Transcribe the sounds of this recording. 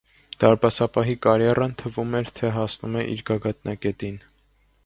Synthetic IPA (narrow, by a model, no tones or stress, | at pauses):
d̪̥ɑɾbɑsɑpɑɦikɑɾjɛrɑnt̪ʰəvumɛɾt̪ʰɛɦɑsnumɛʔḭɾɡɑɡɑt̪nɑkɛt̪in